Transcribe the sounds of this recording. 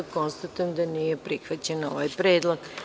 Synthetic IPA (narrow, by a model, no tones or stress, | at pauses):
ko̞nst̪at̪ujemd̪aniːjepɾixʋat͡ɕeno̞ʋajpɾeːd̪lˠoɡ